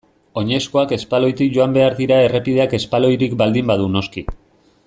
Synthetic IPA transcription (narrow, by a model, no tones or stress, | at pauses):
o̞ɲe̞sko̞ake̞spalo̞jt̪ikʝo̞ambe̞aɾðiɾae̞re̞piðe̞ake̞spalo̞jɾikbald̪imbaðuno̞ski